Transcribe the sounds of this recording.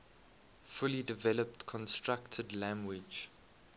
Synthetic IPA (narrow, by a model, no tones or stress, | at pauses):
fʊlidɪvɛləp̚tkʰɔ̃nstɹaktʰədlæ̃ŋɡwɪd͡ʒ